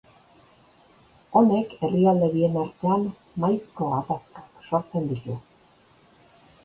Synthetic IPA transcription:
o̞ne̞ke̞riald̪e̞βie̞naɾt̪e̞an | majsko̞apaskḁksoɾt͡se̞nd̪it̪u

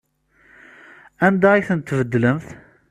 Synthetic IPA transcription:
ænd̪æiθənət̪ːvəd̪ːələmθ

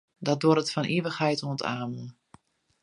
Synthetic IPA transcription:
dɔt̚doɾətfɔnʔiəʋəxhɛjtuəntʰa̰ːmən

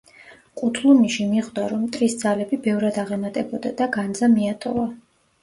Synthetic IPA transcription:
qʼut̪ʰlˠumiʃimiʁd̪aɾɔmt̪ʼɾisd̪zalɛbibɛvɾad̪aʁɛmat̪ʼɛbɔd̪ad̪aɡand̪zamiat̪ʼɔva

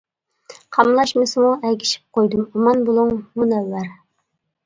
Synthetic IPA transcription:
qʰɑmlˠɑʃmɪsɪmuɛɡʲiʃi̥p̚qʰojd̪umumɑnbolˠuŋmunɛlːæɾ

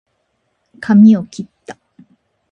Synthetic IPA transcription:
kʰamʲiokʲit̪ːa

